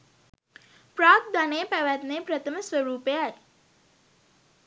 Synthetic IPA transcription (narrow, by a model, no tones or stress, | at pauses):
praːt̪̚d̪aneːpæʋæt̪nepɾət̪ʰəməsʋəɾuːpeaj